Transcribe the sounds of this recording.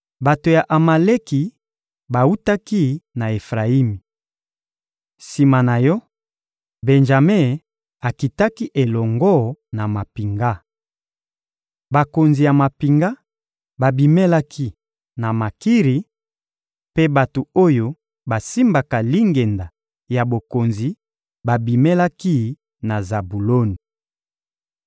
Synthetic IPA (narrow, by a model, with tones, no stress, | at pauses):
ba˨to˨ja˨ʔa˨ma˨le˦ki˨ | ba˨u˦ta˦ki˦na˨e˨fʁa˨i˦mi˨ | si˨ma˨na˨jɔ˦ | be˨nʒa˨me˦˨ | a˨ki˨ta˦ki˦ʔe˨lɔ˨ŋɡɔ˦na˨ma˨pi˨ŋɡa˦ | ba˨ko˨nzi˨ja˨ma˨pi˨ŋɡa˦ | ba˨bi˨me˦la˦kʰi˦ | na˨ma˨ki˦ʁi˨ | pe˦ba˨to˨o˦jo˦ | ba˨si˦mba˨ka˨li˦ŋɡe˨nda˨ | ja˨bo˨ko˨nzi˨ | ba˨bi˨me˦la˦ki˦ | na˨za˨bu˨lo˦ni˨